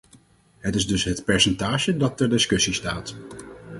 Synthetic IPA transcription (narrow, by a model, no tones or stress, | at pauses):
ɦətɪzdɵsɦətpɛɹsɛntaːʒədɑtːɛɹdɪskɵsistaːt